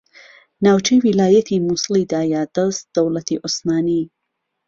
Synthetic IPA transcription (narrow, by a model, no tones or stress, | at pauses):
naːwt͡ʃʰejwilaːjɐt̪ʰimuslˠid̪aːjaːd̪̥ɐst̪̚d̪̥ɐwlɐt̪ʰiʔosmaːni